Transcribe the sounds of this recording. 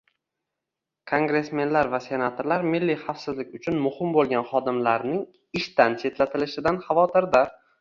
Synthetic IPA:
kʰoŋɡɾe̞sme̞nlaɾvase̞nat̪ʰoɾlaɾmɪlːiχafsɪzlɪkʲʊt͡ʃʰʊnmʊhɪmbolˠɡʲanχɒd̪ɪmlaɾnɪŋ | ɪʃt̪ant͡ʃʰe̞t̪lat̪ʰɪlɪʃɪd̪anχɑvɒt̪ʰɪɾd̪a

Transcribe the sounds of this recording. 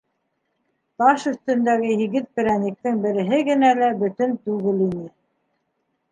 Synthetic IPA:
t̪ɑʃɵ̆θt̪ɵ̆nd̪æɡɘɦiɡɘt̪̚pɘ̆ɾænik̚t̪ɘŋbɘ̆ɾɘ̆ɦɘɡɘ̆nælæbɵ̆t̪ɵnt̪ʉɣɘlinɘ

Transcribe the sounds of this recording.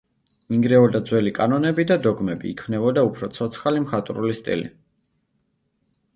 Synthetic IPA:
miŋɡɾɛɔd̪ad̪zwɛlikʼanɔnɛbid̪ad̪ɔɡmɛbḭːkʰmnɛbɔd̪aupʰɾɔt̪sʰɔt̪sʰχalimχat̪ʼɾulist̪ʼḭlḭ

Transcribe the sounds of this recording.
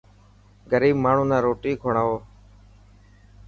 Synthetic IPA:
ɡəɾiːbmaːɳ̤ũːnãːɾoːʈiːkʰoːɳaːɦoː

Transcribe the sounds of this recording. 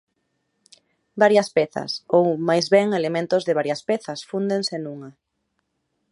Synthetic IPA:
baɾjɐspɛθɐ̰sowmajzβɛŋelemẽnt̪ʊzðɪβaɾjɐspeθɐsfund̪eŋsenũŋɐ

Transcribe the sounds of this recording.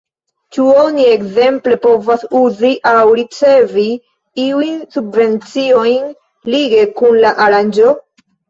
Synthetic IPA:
t͡ʃuo̞nie̞kze̞mple̞po̞vasuziʔawɾit͡se̞vi | iujnsubve̞nt͡sio̞jn | liɡe̞kunlaʔaɾand͡ʒo̞

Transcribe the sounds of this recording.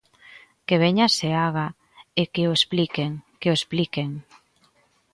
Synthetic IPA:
keβ̞eɲaseaɣ̞a | ekeoesplikeŋkeoesplikeŋ

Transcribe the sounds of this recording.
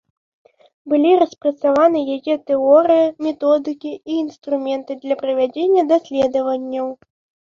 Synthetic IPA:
bɨlʲiɾɐspɾɐt̪savanɨjajɛt̪ɛɔɾɨjimʲɛt̪ɔd̪ɨkʲiiːnst̪ɾumʲɛnt̪ɨd̪lʲɐpɾɐvʲad͡zʲenʲːɐd̪asʲlʲɛd̪ɐvɐnʲːɐw

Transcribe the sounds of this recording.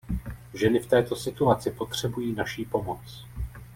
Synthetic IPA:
ʒɛnɪft̪ɛːt̪o̞sɪt̪uat͡sɪpo̞t̪r̝̥ɛbujiːnaʃiːpo̞mo̞t͡s

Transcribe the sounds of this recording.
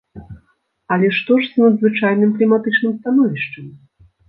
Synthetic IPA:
ɐlʲɛʂt̪ɔʂznɐd̪zvɨt͡ʂajnɨmklʲimat̪ɨt͡ʂnɨmst̪anɔvʲiʂt͡ʂɐmʲ

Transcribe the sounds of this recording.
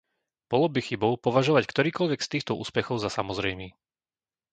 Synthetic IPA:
b̥ɔlɔbixibɔʊpɔʋaʒɔʋackt̪ɔɾiːkɔʎʋɛɡst̪iːxt̪ɔṵːspɛxɔʊzasamɔzɾɛjmiː

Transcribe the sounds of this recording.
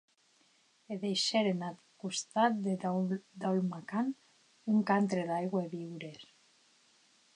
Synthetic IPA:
eðejʃeɾenat̪kust̪at̪d̪ed̪awlmakan | uŋkant̪ɾeðajɣweβiwɾes

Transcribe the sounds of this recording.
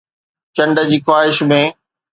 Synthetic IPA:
t͡ɕɐ̃ɳɖə̆d͡ʑiːxwaːɦɪʃmẽː

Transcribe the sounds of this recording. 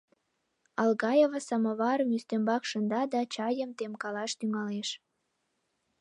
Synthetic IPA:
ɑlɣɑjevəsəməβɑɾmyst̪embɑkʃənd̪ɑd̪ɑt͡ɕɑjəmt̪emkɑlɑʃt̪yŋɑleʃ

